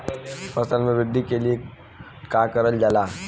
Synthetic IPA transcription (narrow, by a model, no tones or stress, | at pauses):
pəst̪anmeʋiɡ̚d̪ikeli | kakəɾəld͡ʑala